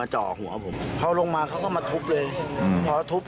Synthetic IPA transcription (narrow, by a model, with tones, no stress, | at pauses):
aː˧t͡ɕɔ̰ː˨˩hṵ˩˦ɐpʰo˨˩˦mpʰa˧˩wlo˧ŋmaː˧kʰa˦˥wkɔː˥˩maː˧t̪ʰu˦˥p̚lɤː˧jpʰɔː˧˦t̪ʰu˦˥p̚